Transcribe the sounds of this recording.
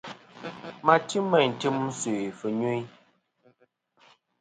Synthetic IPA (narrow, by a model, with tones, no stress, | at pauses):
ma˨ti˦mɛ˨n̩˨tɨ˦m˦se˨fə˨ɲi˦j